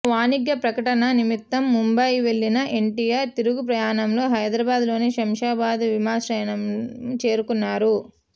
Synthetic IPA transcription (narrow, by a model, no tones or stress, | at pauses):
ʋaːniɡjɐpɾɐkɐʈɐnɐnimit̪ːɐmːumbɐjʋe̞ɭːinɐʔe̞ɳʈijaːɾt̪iɾuɡupɾɐjaːnɐmlo̞ːɦɐjd̪ɾɐbaːd̪lo̞ːneːʃɐmʂaːbaːd̪ʋimaːsɾɛːɐnɐmt͡ʃe̞ːɾukunːaːɾu